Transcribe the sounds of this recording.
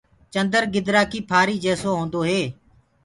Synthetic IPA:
t͡ʃənd̪əɾɡɪd̪ɾaːkiːpʰaːɾiːd͡ʒeːsoːɦõːnd̪oːɦeː

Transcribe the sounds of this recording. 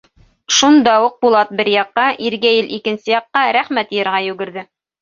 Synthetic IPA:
ʃund̪ɑuq̚bulˠɑt̪̚bɘɾjɑqːɑʔiɾɡæjɘlʔikɘ̆nsɘjɑqːɑɾæχmæt̪jɤ̆ɾʁɑjʉ̆ɡɘ̆ɾðɘ

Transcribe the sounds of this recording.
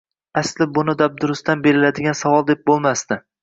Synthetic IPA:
aslɪbʊnɪd̪ab̚d̪ʊɾʊst̪anbe̞ɾɪlad̪ɪɡʲansavɒlˠd̪e̞p̚bolˠmast̪ɪ

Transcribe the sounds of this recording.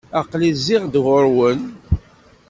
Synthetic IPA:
ɑqlizːɪʁd̪ɣoɾwən

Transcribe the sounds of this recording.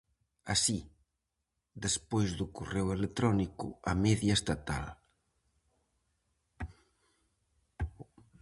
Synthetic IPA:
a̰si | ðespojzðʊkorewelet̪ɾɔnikʊ̰amɛðjɐest̪at̪a̰l

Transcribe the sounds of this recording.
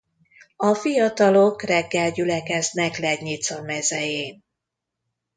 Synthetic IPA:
ɒfijɒt̪ɒlokrɛɡːɛlɟylɛkɛznɛklɛɡɲit̪sɒmɛzɛjeːn

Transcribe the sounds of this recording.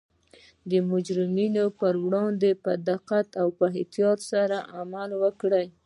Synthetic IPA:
d̪əmʊd͡ʒɾɪminopəɾwɽɑnd̪epəd̪aqat̪awpəɦɪt̪jɑɾsaɾaʔamalwəkɽaj

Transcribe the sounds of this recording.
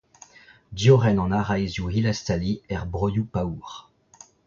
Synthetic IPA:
djɔʁɛnɑ̃naʁajzjuilast̪aliɛʁbʁɔjupawʁ

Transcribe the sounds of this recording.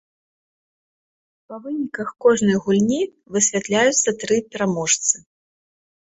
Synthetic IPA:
pɐvɨnʲikɐxkɔʐnɐjɣulʲnʲi | vɨsʲvʲat̪lʲajut̪sːɐt̪ɾɨpʲɛɾamɔʂt̪sɨ

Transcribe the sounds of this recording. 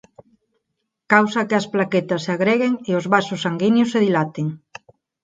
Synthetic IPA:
kawsɐkɪɐsplaket̪ɐseaɣɾeɣeŋeozβasʊsːaŋɡinjoseðilat̪eŋ

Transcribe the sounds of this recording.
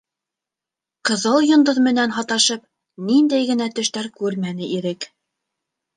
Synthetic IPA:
qɤ̆ðɤlˠjŏnd̪oðmɘ̆nænɦɑt̪ɑʃɤp | nind̪æjɡɘ̆næt̪ɵ̆ʃt̪æɾkʉɾmænɘʔiɾɘk

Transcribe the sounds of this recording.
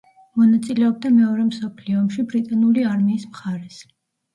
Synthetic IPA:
mɔnat̪sʼilɛɔb̚d̪amɛɔɾɛmsɔpʰliɔːmʃibɾit̪ʼanuliaɾmiːsmχaɾɛs

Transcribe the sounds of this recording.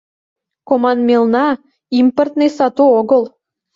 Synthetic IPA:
komɑnmʲelnɑ | import̪nesɑt̪uoɡɤlˠ

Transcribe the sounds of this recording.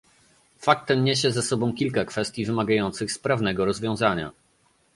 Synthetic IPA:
fak̚t̪ɛmɲeɕ̬ɛzasɔbɔ̃w̃kʲilkakfɛst̪ʲjivɘmaɡajɔnt̪sɘxspɾavnɛɡɔɾɔzvʲjɔ̃w̃zaɲa̰

